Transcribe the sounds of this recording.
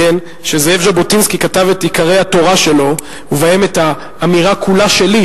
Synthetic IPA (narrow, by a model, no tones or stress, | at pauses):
en | ʃezeefʒabotinskikatavetikaʁe̞jhato̞ʁaʃe̞lo̞ | uvaeme̞taː | miʁakʰulaʃe̞li